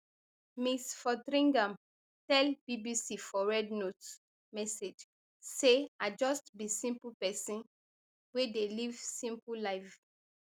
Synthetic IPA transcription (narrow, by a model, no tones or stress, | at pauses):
misfɔdɹĩŋɡãm | tɛlb̥ibisifɔɹɛdnot | mɛsed͡ʒ | sead͡ʒɔstbisĩmpupɛsĩn | wedelivsĩmpulaɪf